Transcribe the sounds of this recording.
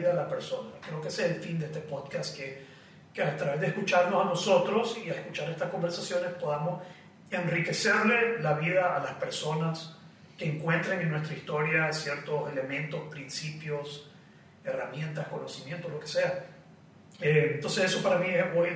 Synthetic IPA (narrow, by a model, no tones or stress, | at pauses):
ðaːlape̞ɾso̞nakɾe̞okeseelfind̪eest̪epoðkaske | keat̪ɾaβe̞zðeeskut͡ʃaɾnosano̞so̞t̪ɾo̞siaehkut͡ʃaɾe̞st̪ahko̞mbe̞ɾsasjo̞ne̞spo̞ðamo̞s | e̞nrike̞se̞ɾle̞laβið̞aːlaspe̞ɾso̞nas | ke̞ːŋkwe̞nt̪ɾeŋeŋnːwe̞st̪ɾaist̪o̞ɾjasje̞ɾt̪o̞se̞lemẽ̞nt̪o̞spɾinsipjo̞s | e̞ramje̞nt̪asko̞no̞simjent̪olo̞ke̞se̞a | ent̪o̞nseseso̞paɾamieoj